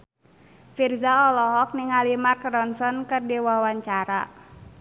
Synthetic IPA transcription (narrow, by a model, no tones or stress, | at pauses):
firzaɔlɔɦɔk̚niŋalimarkrɔnsɔnkɨrdiwawaɲt͡ʃaɾa̰